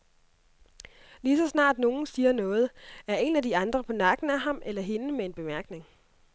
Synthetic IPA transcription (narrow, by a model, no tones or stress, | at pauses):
lisɒ̽snɑ̰̈ːd̥no̝ːn̩siːɐnɔ̽ːð̞̩ˠæɐe̝nædiɑ̈nd̥ʁɐpʰɒ̽nɑ̈ɡ̥n̩æɦɑ̈mʔelɐɦe̝nəmee̝nb̥e̝mæɐɡ̥ne̝ŋ